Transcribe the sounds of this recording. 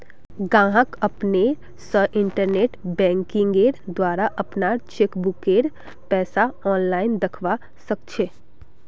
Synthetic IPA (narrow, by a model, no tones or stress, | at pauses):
ɡãːɦəkəpne | səʔɪɳʈəɾneːʈbɛ̃ːŋkɪ̃ŋɡeɾd̪waːɾaʔɐpnat͡ʃekbʊkeːɾ | pɛːsaɔːnlaːɪnd̪ɐkʰʋa | səkt͡ʃʰeː